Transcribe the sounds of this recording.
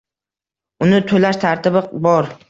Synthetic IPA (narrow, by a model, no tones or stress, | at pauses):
ʊnɪt̪ʰolaʃt̪ʰaɾt̪ʰɪbɪbɒɾ